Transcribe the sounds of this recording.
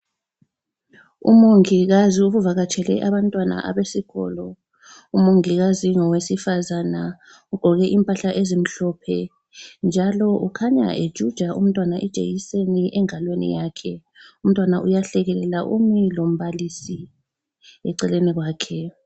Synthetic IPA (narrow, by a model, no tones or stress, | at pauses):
ṵmoŋiɣaziuβuvaɣat͡ʃʰʼɛlɛ̰ʔaβantʼwana̰ʔa̰βesiɣɔ̰lɔ | umoŋiɣaziŋɔwesifazana | uɡ̥ʱɔɣɛʔimpʼaɬaʔezim̩ɬɔpʰɛ | nd͡ʒʱalɔʔukʰaɲa̰ʔed̥ʒ̥ʱud̥ʒ̥ʱaum̩tʼwanaʔɛd̥ʒ̥ʱḛjiseniʔɛŋalwenḭjaːkʰɛ | um̩tʼwanaʔujaɬɛɣɛlɛlaʔumilom̩βalisi | ɛ̰ǀɛleniɣwaːkʰɛ